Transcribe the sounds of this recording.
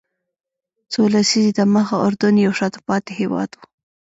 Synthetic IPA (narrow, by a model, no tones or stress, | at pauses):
t͡solasizit̪aməxaʔʊɾd̪ʊnjawʃɑt̪əpɑt̪ehewɑ̰d̪wu